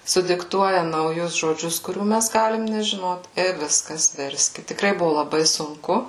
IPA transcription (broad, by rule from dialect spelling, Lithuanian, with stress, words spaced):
sʊdʲɪkˈtuɔjɛ nɐʊˈjʊs ʒoːˈd͡ʒʲʊs kʊˈrʲuː ˈmʲæs ˈɡɑːlʲɪm nʲɛʒʲɪˈnoːt ɪ ˈʋʲɪskɐs ˈʋʲɛrʲsʲkʲɪt tʲɪkˈrɐɪ ˈbʊʋʊ lˠɐˈbɐɪ sʊŋˈkʊ